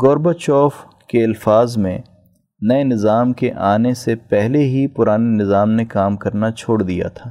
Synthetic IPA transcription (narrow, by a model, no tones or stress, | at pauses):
ɡɔːɾbət͡ʃɔːf | keɪlfaːzmḛ̃ | nɐenɪzaːmkeʔaːnesepɛɦleɦipʊɾaːnenɪzaːmnekaːmkɐɾnat͡ʃʰoːɽd̪ija̰t̪ʰaː